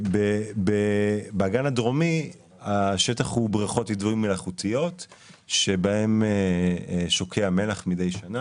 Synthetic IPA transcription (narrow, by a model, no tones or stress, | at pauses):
bebebeaɡanadʁo̞mi | aʃetaχhubʁiχo̞tidvuimːelaχutʰijo̞t | ʃe̞bae̞me | ʃo̞kʰeame̞laχmide̞jʃana